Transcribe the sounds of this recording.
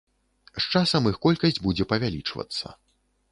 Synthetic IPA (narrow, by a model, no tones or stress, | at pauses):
st͡ʂasɐmɨxkɔlʲkɐsʲd͡zʲbud͡zʲɛpɐvʲalʲit͡ʂvɐ̰t̪sːɐ̰